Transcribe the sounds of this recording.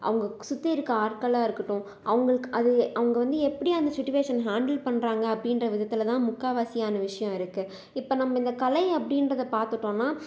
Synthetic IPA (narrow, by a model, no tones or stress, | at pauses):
ʔɐ̰ʋɐŋɡɐsʊt̪ːiɪɾɯkːaːɾkɐlaːɪɾɯkːɯʈːʊ̃ | ʔɐʋɐŋɡɐɭɯkːɯʔɐðɯɐʋɐŋɡɐʋɐnd̪ɯɛpːɐɽiɐnd̪ɐsɪʈːʊʋeːʂɐnɦaːɳɖɐlpɐɳːɾaːŋɡɐːpːɐɽɪnrɐʋɪðɐt̪ːɪlt̪ãːmʊkːaːʋaːsɪjaːnɐʋɪʂɐjɔ̃ɪɾɯkːɯ | ɪpːoːnɐmːɐɪnd̪ɐkɐlɐɪɐpːɐɽɪnɾɐðɐpaːɾt̪ɯʈːõːnːaː